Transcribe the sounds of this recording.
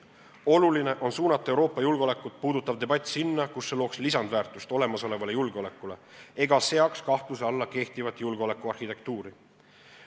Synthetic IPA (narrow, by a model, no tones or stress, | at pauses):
o̞luline̞ʔo̞nsuːnɑt̪ːˑɑewɾo̞ːpːˑɑjulɡ̥eo̞le̞kːˑut̪̚ˑpuːd̪ut̪ːˑɑvd̪e̞bɑt̪ʲːˑsinːɑkusːe̞loːkslisɑnd̪væːrt̪ˑust̪o̞le̞mɑso̞le̞vɑle̞julɡ̥eo̞le̞kːˑule̞e̞ɡ̥ɑse̞ɑkskɑht̪useɑlːɑke̞ht̪ivɑt̪ːˑjulɡeo̞le̞kːuɑrhit̪e̞k̚t̪uːɾi